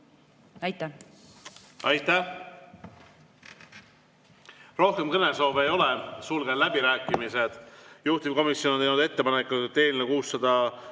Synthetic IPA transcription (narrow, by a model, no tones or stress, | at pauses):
ɑjt̪ːæ | ɑjt̪ːˑæh | ro̞hke̞mkɤne̞so̞ːvejo̞lesulɡ̥elæbiɾæːkːˑimise̞d̪̥juht̪imko̞misjo̞not̪ejnud̪e̞t̪ːe̞pɑnekːˑut̪e̞ːninekuːsːɑd̪̥ɑ